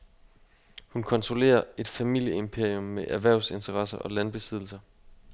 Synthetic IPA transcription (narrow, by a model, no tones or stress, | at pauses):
hunkʰɒ̽nt͡sʰʁo̝le̝̰ːɐe̝d̥fæmil̰jəempʰe̝ɐ̰ijɔ̽mːeʔæʋæɐʊse̝nt͡sʰɐʁɑ̈sɐʔɒ̽lænb̥e̝sið̞̰ˠl̩sɐ